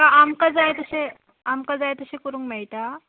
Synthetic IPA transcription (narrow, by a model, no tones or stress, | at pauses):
kaʔamkad͡zajt̪əse | amkad͡zajt̪əɕekəɾuːŋkmeɭt̪a